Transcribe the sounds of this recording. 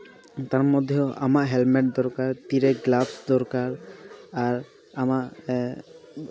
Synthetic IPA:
t̪aɾmɔd̪ʱjɔa̰maʔɦɛlmɛʈ̚d̪ɔɾkaɾt̪iɾɛɡlabsd̪ɔɾkaɾaɾ | amaʔ

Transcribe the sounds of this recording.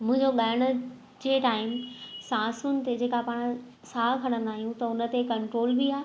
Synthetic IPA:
mʊ̃ɦɪ̃ɲd͡ʑoɠaːəɽ̃ʊ̆ | d͡ʑeːʈaːɪmsãːsʊnɪ̆t̪ed͡ʑeːkapaːɽ̃ | saːkʰɐɽ̃ə̃nd̪aːɦijũt̪ɐʊnə̆t̪ekɐ̃ɳʈɾoːlbʱiaːe

